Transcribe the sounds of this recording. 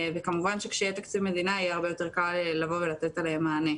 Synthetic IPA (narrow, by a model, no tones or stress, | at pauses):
vekamuvanʃekʃejet̪akt͡sivme̞d̪inaajeaʁbejo̞t̪e̞ʁkallavo̞ve̞lat̪et̪alehemːaːne